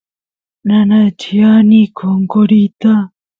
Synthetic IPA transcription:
nanat͡ʃijanikʰoŋkoɾit̪a

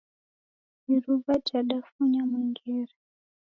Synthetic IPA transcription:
iɾuvat͡ʃaɗafuɲamwiŋɡɛɾɛ

